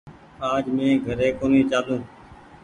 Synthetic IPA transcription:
aːd͡ʒmẽːɡʱəɾeːkoːniːt͡ʃaːd̪ũː

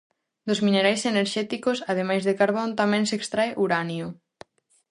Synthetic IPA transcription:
d̪ʊzmineɾajseneɾʃɛt̪ikʊsað̞emajzðekaɾβ̞ont̪amɛ̃ŋsekst̪ɾaeʔuɾanjʊ

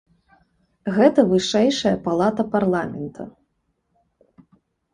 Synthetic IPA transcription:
ɣɛt̪ɐvɨʂɛjʂɐjɐpalˠat̪ɐparlˠamʲɛnt̪ʰɐ̰

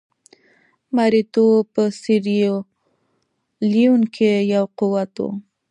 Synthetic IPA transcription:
maɾɪt̪opəsɪɾio | liuŋkʰejawqʊwat̪o̰

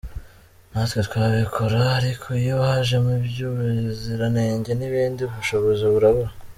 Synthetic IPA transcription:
natwet̪waːβikʰoɾaːɾikʰoijohaʒe̞mubjuβeziɾaneːɲɟe̞niβiːndiβuʃoβo̞zeβuɾaβoɾa

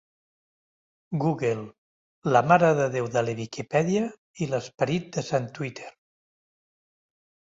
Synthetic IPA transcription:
ɡuɣelˠ | ləmaɾəðəðewðələβikipɛðiə | iləspəɾit̪̚d̪əsant̪wit̪ʰeɾ

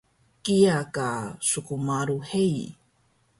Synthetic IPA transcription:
kiakasukumaɾuhej

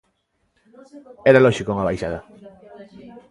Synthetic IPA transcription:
ɛɾalɔʃikoŋaβajʃaðɐ

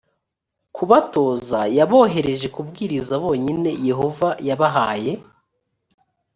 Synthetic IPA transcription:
kuβato̞ːzajaβo̞ːɦe̞ɾe̞ʒe̞kub̚ɡiːɾizaβo̞ːɲine̞je̞ɦo̞vajaβaɦaːje̞

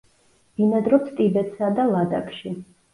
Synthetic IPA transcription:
d̪̥inad̪ɾɔpst̪ʼibɛt̪ʰʼsad̪alad̪a̰kʰʼʃi

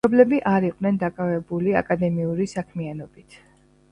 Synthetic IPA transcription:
ɔblɛbiʔaɾiqʼnɛnd̪akʼavɛbulia̰kʼad̪ɛmiuɾisakʰmianɔbit̪ʰ

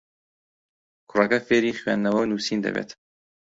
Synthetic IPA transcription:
kʰʊrɐkɐfeːɾiːχɥɛ̰ːnːɐwɐwnuːsiːnd̪ɐ̰bḛːt̪

